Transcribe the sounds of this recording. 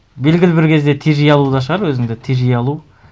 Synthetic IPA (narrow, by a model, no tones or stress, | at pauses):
be̞lɡʲɪlɪbɪɾkʲʰe̞zd̪e̞t̪ʰeʒijɑlˠud̪ɑʃ̬əʁɑɾwɵzɪŋd̪et̪ʰeʒijɑlˠu